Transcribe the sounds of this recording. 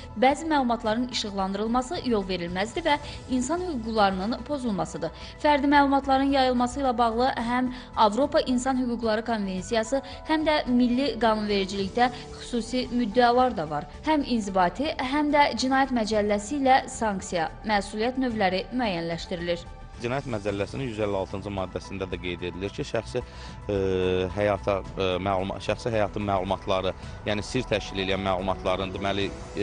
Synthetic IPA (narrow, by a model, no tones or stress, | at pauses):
bæːzimæːlˠumɑt̪ʰlˠɑɾɯniʃɯɣlˠɑnd̪ɯɾɯlˠmɑsɯjo̞lˠve̞ɾilmæzd̪ivæ | insɑnhyɡuɡlˠɑɾɯnɯnpʰo̞zulˠmɑsɯd̪ɯ | fæɾd̪imæːlˠumɑt̪ʰlˠɑɾɯnjɑjɯlˠmɑsɯilæbɑɣlˠɯɦæm | ɑvɾo̞pʰɑʔinsɑnhyɡuɡlˠɑɾɯkʰo̞nve̞nsijɑsɯ | hæmd̪æmilːiɡɑːnunve̞ɾid͡ʒiliçd̪æ | χy̥suːsimyd̪ːælˠɑɾd̪ɑvɑ̰ɾ | hæminzibɑːt̪ʰiɦæmd̪æd͡ʒinɑːjæt̪mæd͡ʒælːæsiːlæsɑŋksijɑmæːsulˠijæt̪nø̞vlæɾimyæjænlæʃt̪iɾiliɾ | d͡ʒinɑːjæt̪mæd͡ʒælːæsininjyzelːæɑlˠt̪ʰɯnd͡ʒɯmɑːd̪ːæsind̪æd̪æɡe̞jd̪e̞d̪iliɾcʰiʃæxsi | ɦæjɑt̪ʰɑmælṵʃæxsiɦæjɑːt̪ʰɯnmælˠumɑt̪ʰlˠɑɾɯ | jæːnisiɾt̪ʰæʃcile̞lijænmælˠumɑt̪ʰlˠɑɾɯnd̪imæli